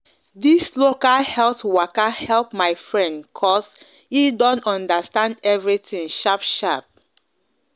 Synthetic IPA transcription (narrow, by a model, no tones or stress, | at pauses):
dislokahɛltwakahɛlˠp̚maɪfɹɛ̃ndkʰɔs | idɔ̃ntɔ̃ndastãndɛvɹitĩŋʃapʃap̚